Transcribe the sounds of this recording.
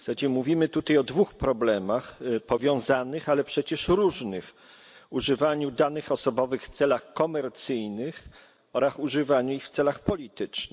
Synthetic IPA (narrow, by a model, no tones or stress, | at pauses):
fsad͡ʑɛmuvʲimɘt̪ut̪ajɔd̪vuxpɾɔblɛmaxpɔvʲjɔ̃w̃zanɘxalɛpʂɛt͡ɕɛʂɾuʐnɘx | uʐɘvaɲud̪anɘxɔsɔbɔvɘxft̪sɛlaxkɔmɛɾt̪sɘjnɘx | ɔɾasuʐɘvaɲuixft̪sɛlaxpɔlʲit̪ɘt͡ʂnɘ